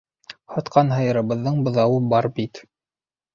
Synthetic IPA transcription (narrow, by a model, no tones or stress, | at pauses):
hɑt̪qɑnɦɤ̆jɤ̆ɾɤ̆βɤ̆ðːɤɴbŏðɑwɤbɑɾbit̪